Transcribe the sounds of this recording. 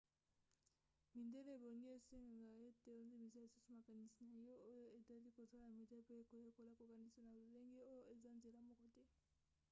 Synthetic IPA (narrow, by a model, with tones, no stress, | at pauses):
mi˨nde˦le˦e˨bo˨ŋɡe˦e˨se˦ŋɡa˨ŋɡa˨e˦te˨o˦nze˦mi˨sa˦e˨su˦su˦ma˨ka˨ni˨si˨na˨jo˦o˦jo˦e˨ta˦li˦ko˨sa˦la˨na˨mi˨de˦pe˦e˨ko˨le˦˨ko˨la˦ko˨ka˨ni˦sa˦na˨lo˨le˦ŋɡe˦o˦jo˦e˨za˦nze˨la˦mo˨ko˨tɛ˦